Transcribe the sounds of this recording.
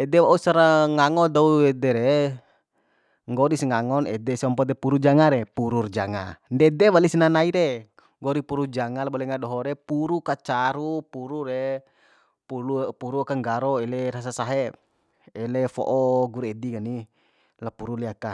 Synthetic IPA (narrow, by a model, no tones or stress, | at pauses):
ɛdɛwaʔusaɾaŋaŋɔdauɛdɛɾɛ | ŋɡɔɾisŋaŋɔnɛ̰dɛsiɔmpɔd̪ɛpuɾud͡ʒaŋaɾɛpuɾurd͡ʒaŋandɛdɛwalisinanaiɾe | ŋɡɔɾipuɾud͡ʒaŋalabɔlɛŋadɔɦɔɾɛpuɾukat͡ʃaɾupuɾuɾɛ | pulupuɾuakaŋɡaɾɔɛlɛɾas̬asaɦɛ | ɛlɛfɔ̰ʔɔɡuɾɛdiŋani | lapuɾulɛaka